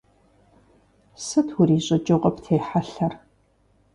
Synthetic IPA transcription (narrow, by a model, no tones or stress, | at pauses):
sɨtʰwʊɾiːɕʼɐt͡ʃʼɨʁʷʼɐptʰeːħaɬɐr